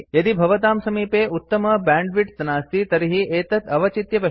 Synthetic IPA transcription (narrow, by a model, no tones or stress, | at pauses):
jɐd̪ibʱɐʋɐt̪aːmsɐmiːpeːut̪ːɐmɐbaːɳɖʋiʈt̪ɐnaːst̪it̪ɐɾiɦieːt̪ɐt̪ʰɐʋɐt͡ʃit̪jɐʋɐ